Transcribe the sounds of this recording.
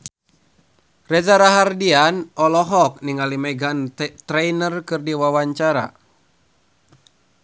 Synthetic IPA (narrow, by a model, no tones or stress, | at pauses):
rɛzaɾaɦardianɔlɔɦɔk̚niŋalimɛɡant̪ɾɛjnərkɨrdiwawaɲt͡ʃaɾa̰